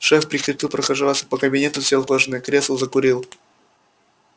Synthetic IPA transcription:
ʂɛfpɾʲɪkʲɪt̪ʲilˠpɾəxɐʐalˠsʲə̥pəkəbʲɪnʲet̪ʊsʲelˠklˠɐʐnɨkɾʲeslˠzəkʊɾʲilˠ

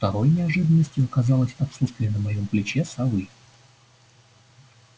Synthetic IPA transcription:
ft̪ɐɾo̞jnʲɪɐʐɨd̪ənːəsʲtʲjʊkɐzɑlˠəsʲɐt̪sut̪st̪vʲɪjənəmɐjo̞mplʲɪt͡ɕesɐvɨj

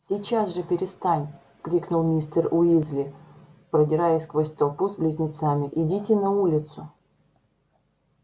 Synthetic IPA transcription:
sʲit͡ɕasʐɨpʲɪɾʲɪst̪anʲ | kɾʲiknʊlˠmʲist̪ərʊizʲlʲɪpɾədʲɪɾajɪsʲkvosʲt̪ɐlˠpuzblʲɪzʲnʲɪt̪samʲɪʔɪdʲitʲɪnɐulʲɪt̪sʊ

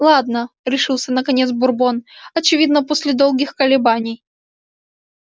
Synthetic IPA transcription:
lˠad̪nəɾʲɪʂɨlˠsʲənəkɐnʲet̪sbʊrbo̞nɐt͡ɕɪvʲid̪nəposʲlʲɪd̪o̞lˠɡʲɪxkəlʲɪbanʲɪj

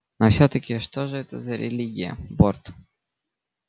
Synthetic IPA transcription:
nofsʲɵt̪əkʲɪʂt̪oʐɨɛt̪əzəɾʲɪ̰lʲiɡʲɪjə̰bort̪

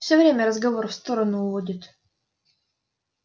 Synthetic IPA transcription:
fsʲɵvɾʲemʲəɾəzɡɐvo̞rfst̪o̞ɾənʊːvodʲɪt̪

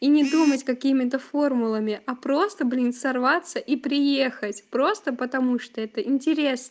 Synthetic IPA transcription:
inʲɪd̪umətʲkɐkʲimʲɪt̪əfo̞rmʊlˠəmʲɪʔapɾo̞st̪əblʲinsɐrvat̪sːəʔipɾʲɪjexətʲpɾo̞st̪əpət̪ɐmuʂt̪oɛt̪əʔɪnʲtʲɪɾʲe̞snə

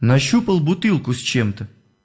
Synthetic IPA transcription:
nɐɕːupəlˠbʊt̪ɨlˠkʊsʲt͡ɕemt̪ə

